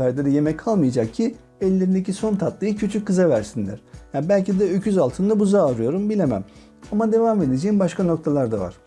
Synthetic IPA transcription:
æɾd̪ɛd̪ɛje̞mɛcʰalˠmɯjad͡ʒak̚cʰi | ɛlʲːeɾind̪ecʰiso̞nt̪ʰat̪lˠɯjɯcʰyt͡ʃʰyc̚kːɯzavæɾsinlʲæ̰ɾ̥jabælʲcid̪ɛøcʰyzalˠt̪ʰɯnd̪ˠabuzaːɾɯjo̞ɾumbilʲemæ̰m | amad̪e̞vaːme̞d̪ed͡ʒejimbaʃkʰano̞k̚t̪ʰalˠaɾd̪a̰va̰ɾ̥

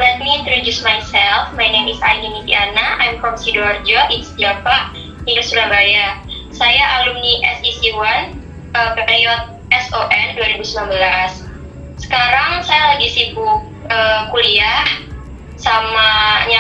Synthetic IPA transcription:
bɛt̪̚miːnt̪ɾodusmajsɛlfmajnemisajninit̪ḭanaʔajmkɔmsidɔrd͡ʒɔʔɪnst̪iapaʔ | ninasulabaja | sajaʔalumniʔɛsisiwan | ʔəpepejɔt̪̚ɛsoʔɛnduaɾibusmambəlasː | ə̥kaɾaŋsajalaɡisibʊ | əkuliah | samaɲa

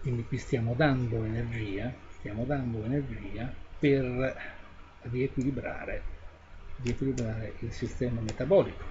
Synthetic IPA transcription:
kwind̪ikwist̪jaːmod̪and̪oenerd͡ʒiːast̪jaːmod̪and̪oenerd͡ʒiːaper | riekwilibɾa̰ːɾe | riekwilibɾaːɾeʔilsist̪ɛːmamet̪abɔːliko̥

